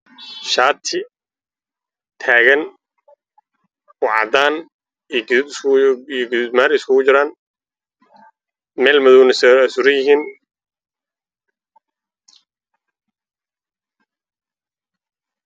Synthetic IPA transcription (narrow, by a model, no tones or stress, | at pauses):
ʃaːt̪ʰɪ | t̪ʰaːɣɐn | ʊʕɑ̰d̪aːn | iɡ̪ | ijɡɪðuːd̪maːɾɪskʰʊɣʊt͡ʃɪɾaːn | mɛːlmɐðɔwnɛssʊɾɪjɪɦiːn